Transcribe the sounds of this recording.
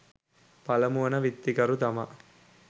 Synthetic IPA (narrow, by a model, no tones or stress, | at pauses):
pɐlɐmuʋɐnɐʋit̪ːikɐɾut̪ɐmɐ̰